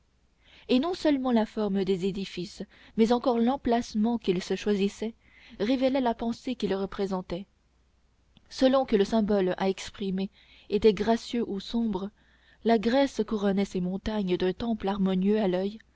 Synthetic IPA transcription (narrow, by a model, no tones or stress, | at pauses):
enɔ̃sœlmɑ̃lafɔʁməd̪ezed̪ifis | mɛzɑ̃kɔʁlɑ̃plasmɑ̃kilsəʃwazisɛ | ʁevɛlɛlapɑ̃sekilʁəpχezɑ̃t̪ɛ | səlɔ̃kələsɛ̃bɔla̰ɛkspχime | et̪ɛɡʁasjøʔusɔ̃bʁə | laɡʁɛskuʁɔnɛsemɔ̃t̪aɲd̪œ̃t̪ɑ̃plaʁmɔnjøalœj